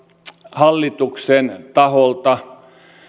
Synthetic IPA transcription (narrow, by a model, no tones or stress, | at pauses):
hɑlːit̪uksent̪ɑholt̪ɑ